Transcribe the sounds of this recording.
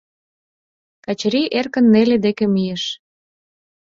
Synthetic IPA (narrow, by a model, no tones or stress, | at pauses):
kɑt͡ɕɾiʔerkə̆nːeled̪ekemijeʃ